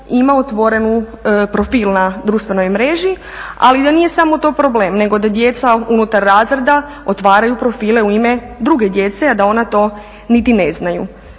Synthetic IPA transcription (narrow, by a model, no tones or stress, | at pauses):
imaot̪ʋo̞ɾe̞nu | pɾo̞fiːlˠnad̪ɾuːʃt̪ʋe̞no̞jmɾe̞ʒi | a̰lid̪anije̞samo̞t̪o̞ːpɾo̞bleːmne̞ɡo̞d̪ad̪je̞t̪saunut̪aɾːaːzɾed̪a | o̞t̪ʋaːɾajupɾo̞fiːle̞uime̞ | d̪ɾuɡe̞d̪je̞t̪se̞ad̪ao̞nat̪o̞ː | nit̪ine̞znajṵ